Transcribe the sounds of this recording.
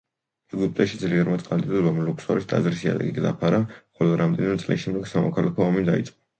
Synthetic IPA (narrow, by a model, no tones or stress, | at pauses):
ɛɡup̚ʼt̪ʼɛʃid̪zliɛɾmat̪sʼqʼand̪ʼid̪ɔbamlukʰsa̰ɾisd̪a̰zɾisia̰d̪a̰ɡiɡd̪a̰pʰaɾaχɔlɔɾamd̪ɛnimɛt̪sʼlḭʃɛmd̪ɛɡsamɔkʰalakʰɔːmid̪ait̪sʼqʼɔ̥